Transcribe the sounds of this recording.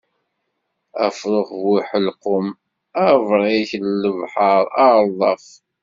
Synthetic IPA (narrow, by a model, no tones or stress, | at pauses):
æ̰fɾˤʊχvwiħəlqʊm | ævɾˤiçəlːəvħɑɾˤɑðˤɑf